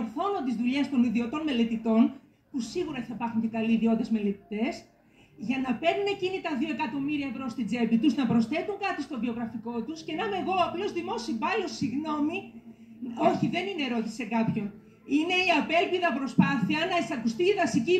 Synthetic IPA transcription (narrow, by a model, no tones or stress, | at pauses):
oɾθo̞nont̪izðuʎe̞st̪o̞niðiot̪o̞nme̞le̞t̪it̪o̞n | pusiɣuɾɐiθɐipɐɾxunt̪iɡɐliːðio̞t̪ezme̞le̞t̪i̥t̪e̞s | ʝɐnɐpe̞ɾnune̞cinit̪ɐðio̞e̞kɐt̪o̞miɾiɐevɾo̞st̪id͡ze̞pit̪uznɐpɾo̞sθe̞t̪uŋkɐt̪ist̪o̞vio̞ɣɾɐfiko̞t̪usce̞nɐmeɣo̞ɐplo̞zðimo̞sibɐlosiɣno̞mi | o̞çiðe̞nine̞ɾoçise̞kɐpço̞n | ine̞iɐpe̞lpiðɐpɾo̞spɐθiɐnɐesɐkust̪iiðɐsici